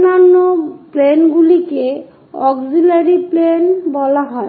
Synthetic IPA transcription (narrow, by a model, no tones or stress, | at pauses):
nːanːoplenɡulike | ɔɡzilaɾiplenbɔlaɦɔe